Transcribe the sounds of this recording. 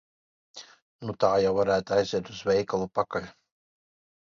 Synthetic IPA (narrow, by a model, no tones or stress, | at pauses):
nut̪aːjawvaɾæːt̪ajziɛt̪uzvɛjkalˠupakalʲ